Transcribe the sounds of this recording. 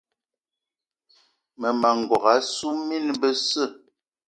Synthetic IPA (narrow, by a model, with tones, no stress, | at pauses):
mə˨ma˨ŋ̩˨ɡwɔ˨ɣa˨˦su˦mi˦nbə˦sə˦˨